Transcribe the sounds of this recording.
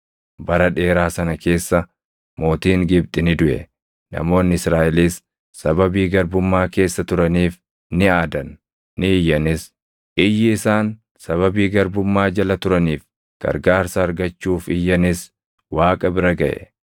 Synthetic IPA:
bɐɾɐᶑe̞ːɾaːsɐnɐke̞ːsːɐ | mo̞ːt̪iːŋɡɪb̚t̪ʼɪnɪd̪ʊʔɛ̰ | nɐ̰mo̞ːnːɪɪsɾaːʔɛliːsː | ɐbɐbiːɡɐɾbʊmːaːke̞ːsːɐt̪ʊɾɐniːf | nɪaːd̪ɐnː | ɪɪjːɐnɪs | ʔɪjːɪɪsaːn | sɐβɐbiːɡɐɾbʊmːaːd͡ʒɐlɐt̪ʊɾɐniːf | ɡ̥ɐ̰ɾɡaːɾsɐːɾɡɐt͡ʃːuːfɪjːɐnɪs | waːkʼɐbɪɾɐɡɐʔɛ̰

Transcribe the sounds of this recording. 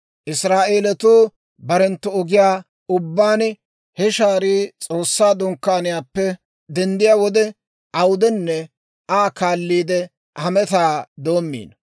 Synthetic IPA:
ʔɪsɾaːʔe̞ːlɛt̪uː | bɐɾɛnt̪ːɔɔɡɪjaː | ʊbːaːn | hɛʃaːɾiːt͡sʼo̞ːsːaːd̪ʊŋkːaːnɪjaːpːɛ | d̪ɛnd̪ɪjaːwɔd̪ɛ | ɐwʊd̪ɛnːɛ | aːkaːlːiːd̪ɛ | hɐmɛt̪aːd̪o̞ːmːḭːn

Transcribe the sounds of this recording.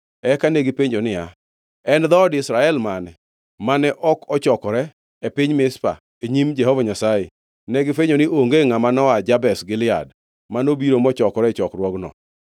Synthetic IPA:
ɛkanɛɡɪpeɲd͡ʒonɪa | ɛnd̪ɔdɪsɾaɛlmanɛ | manɛʔɔkɔt͡ʃɔkɔɾɛ | epɪɲmɪspa̰ | eɲimd͡ʒɛhɔvaɲasaje | nɛɡɪfeɲonɪʔoŋɡeŋamanɔad͡ʒabɛsɡɪlɪa̰d | manobiɾomɔt͡ʃɔkɔɾɛt͡ʃɔkrwɔɡnɔ̰

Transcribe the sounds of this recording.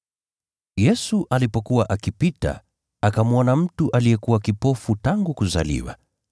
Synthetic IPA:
jɛsuʔalipɔkuwaʔakipita̰ | akamuɔnam̩tuʔalijɛkuwakipɔfutaŋɡukuza̰lḭwa̰

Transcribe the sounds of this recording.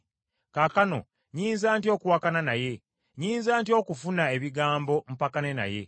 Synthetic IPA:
kakano̞̰ | ɲiːnzaːntio̞ːkuwakananaje̞ | ɲiːnzaːntio̞ːkufunae̞βiɡaːmbo̞m̩pakane̞na̰je̞̰

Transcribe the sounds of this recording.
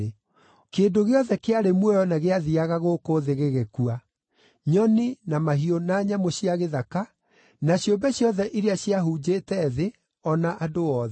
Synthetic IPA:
keːdoɣeɔðɛkeaɾemwɛjɔnaɣeaðiaɣaɣokoðeɣeɣekua | ɲɔninamaɦionaːɲamoɕiaɣeðaka | naɕjombɛɕjɔðɛʔiɾeaɕiaɦud͡ʑeːtɛðe | ɔnaʔadoɔːðɛ

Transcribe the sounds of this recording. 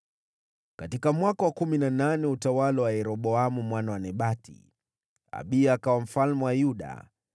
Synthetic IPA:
katikamwakawakuminananɛutawalawajɛɾɔɓɔamumwanawanɛɓatḭ | a̰ɓiaːkawam̩falmɛwajuɗa̰

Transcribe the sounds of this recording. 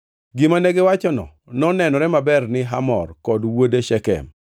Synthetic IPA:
ɡɪmaneɡewat͡ʃɔnɔ̰ | nɔnɛnɔɾɛmabɛrnɪɦamɔ̰rkɔdwodeʃɛkɛ̰m

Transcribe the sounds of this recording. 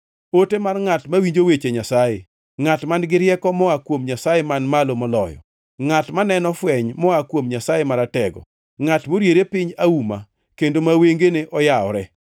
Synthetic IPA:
otemarŋatmawiɲd͡ʒowet͡ʃeɲasajḛ | ŋatmanɡɪɾjɛkɔmɔakwomɲasajemanmalomɔlɔ̰jɔ̰ | ŋatmanɛnɔfwɛɲmɔakwomɲasajemaɾatɛɡɔ̰ | ŋatmoɾjeɾepɪɲauma̰ | kendomaweŋɡeneʔɔjaɔɾɛ

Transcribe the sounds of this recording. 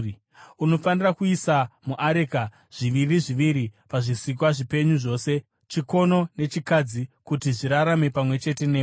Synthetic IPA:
uno̞fanirakuisamuʔaɾeka | ʐ̥iʋiriʐiʋiɾipaʐisik̬waʐipe̞ɲuʐo̞ːse̞ | t͡ʃiko̞no̞ne̞t͡ʃikad͡zikutiʐiɾaɾame̞pamwe̞t͡ʃe̞te̞neː

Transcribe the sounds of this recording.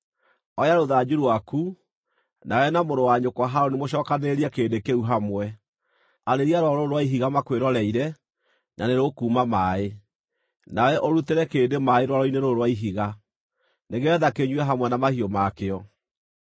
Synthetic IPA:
ɔjaɾoðad͡ʑuɾwaku | nawɛnamoɾowaɲokwaɦaɾonimoɕ̬ɔːkaneɾiɛkeːdekeuɦamwɛ | aɾeɾiaɾwaɾoɾowaiɦiɣamakweɾɔɾɛiɾɛ | nʔa̰neɾokuːmamae | nawɛʔoɾuteɾɛkeːdemaeɾwaɾɔineɾoɾwaiɦiɣa | neɣɛðakeɲwɛɦamwɛnamahiomakeɔ

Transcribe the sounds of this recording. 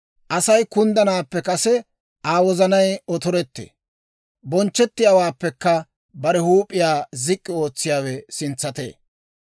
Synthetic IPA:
ʔɐsɐjkʊnd̪ɐnaːpːɛkɐsɛ | ʔaːwɔzɐnɐjɔt̪ɔɾɛt̪ːḛː | bɔnt͡ʃːɛt̪ːɪjaːwaːpːɛkːɐ | bɐɾɛhuːpʼːɪjaːzɪkʼːɪo̞ːt͡sːɪjaːwɛsɪnt͡sːɐt̪ḛː

